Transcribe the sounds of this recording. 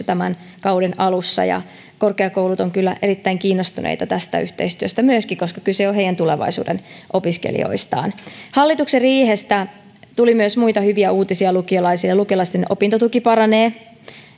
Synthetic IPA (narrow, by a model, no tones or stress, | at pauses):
t̪æmæn | kɑwdenʔɑlusːɑ̰jɑ̰ | ko̞rkeɑkoulut̪oŋkylːæ̰ʔeɾit̪ːæiŋkiːnːost̪unʔḛijt̪ɑt̪æst̪æ̰yht̪e̞̰ist̪yøst̪æmyøskikoskɑ̥kylseoɦeijænt̪uleʋɑ̰isṵːdḛnʔopiskḛlḭo̰ist̪ɑ̰ːnhɑlːit̪ukserriːhest̪æ | t̪ulimyøsmuit̪ɑhyʋiæuːt̪isiɑlukiolɑisilelukiolɑist̪enʔopint̪ot̪ukipɑrɑneː